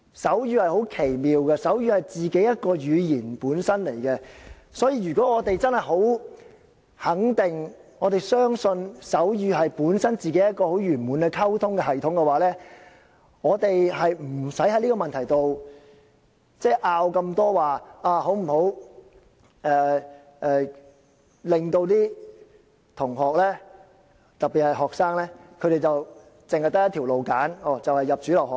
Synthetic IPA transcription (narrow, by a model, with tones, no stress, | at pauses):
sɐ˨˥wjyː˧hɐ˨jho˨˥wkʰe˨˩jmiː˨wkɛ˧sɐ˨˥wjyː˧hɐ˨jt͡siː˨ke˨˥jɐ˥t̚kɔː˧jyː˨˧jiː˨˩npuː˨˥nsɐ˥nle˨˩jkɛ˧ | sɔː˨˥jiː˧ɥyː˨kɔː˨˥ŋɔː˨˧t̪e˨jt͡sɐ˥nhɐ˨jɦo˨˥w | hɐ˨˥ŋt̪ɪ˨ŋɔː˨˧t̪e˨jsœː˥ŋsɵ˧nsɐ˨˥wjyː˧ɦɐ˨jpuː˨˥nsɐ˥nt͡siː˨ke˨˥jɐ˥t̚kɔː˧ho˨˥wjyː˨˩nmu˨˥nkɛ˧kʰɐ˥wt̪ʰʊ˥ŋkɛ˧hɐ˨˩jt̪ʰʊ˨˥ŋkɛ˧waː˨˥lɛː˥ | ŋɔː˨˧t̪e˨jɦɐ˨jm̩˨˩sɐ˨˥jhɐ˨˧jli˥kɔː˧mɐ˨nt̪ʰɐ˨˩jt̪o˨w | t͡sɛː˥˩ʔaː˧wkɐ˧mt̪ɔː˥waː˨˩aː˧ɦo˨˥wm̩˨˩ho˨˥w | ɛː˨˧ | ʔɛː˨ | lɪ˨ŋt̪o˧wt̪iː˥ | t̪ʰʊ˨˩ŋɦɔː˨˩k̚lɛː˥ | t̪ɐ˨t̚pi˨˩thɐ˨˩jɦɔː˨k̚saː˥ŋlɛː˥kʰɵ˨˧ɾe˨jt͡sɐ˨w | t͡sɪ˨ŋhɐ˨jt̪ɐ˥jt̪ʰi˨˩wlo˨wkaː˨˥nɔː˨˩t͡sɐ˨whɐ˨jːɐ˨p̚t͡ʃyː˨˥lɐ˨˩whɔː˨k